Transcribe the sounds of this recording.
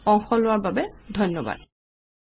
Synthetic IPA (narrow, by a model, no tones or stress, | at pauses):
ɔŋxɔlʊwaɹbabɛdʱɔjnːɔba̰d̚